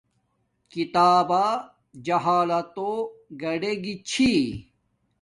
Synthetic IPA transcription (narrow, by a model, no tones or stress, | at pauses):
kit̪aːba | d͡ʑɐɦaːlɐt̪oɡɐɖeɡit͡ɕʰi